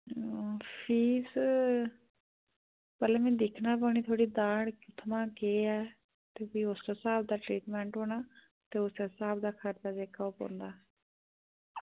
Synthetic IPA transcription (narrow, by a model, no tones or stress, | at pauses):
pʰiːs | pəlɛːmɛ̃ːd̪ɪkʰnaːpəɳiːt̪ʰoːɽiːd̪aːɽkʊt̪ʰəmãːkeːɛː | t̪eːpiːʊsɛːsaːb̚d̪aːʈɾiːʈmɛ̃ːɳʈɦoːɽ̃aː | t̪eːʊsɛːsaːbd̪aːkʰəɾd̪aːd͡ʒeːkaːʊpõ̰ːnd̪aː